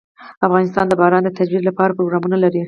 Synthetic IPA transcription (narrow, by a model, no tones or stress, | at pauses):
afɣɑnɪst̪ɑnd̪əbɑɾɑnd̪ət̪ad͡ʒwiɾlapɑɾapɾoɡɾɑmunalaɾi